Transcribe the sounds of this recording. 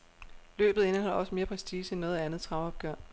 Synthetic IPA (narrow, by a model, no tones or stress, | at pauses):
lø̰ːb̥ð̩ˠe̝nəhɒ̽l̰ɐɒ̽səme̝ːɐpʰʁɛsiːsəenːɔ̽ːð̩ˠænð̩ˠt͡sʰʁɑ̈ʊɒ̽b̥̚ɡ̥ɶɐ̰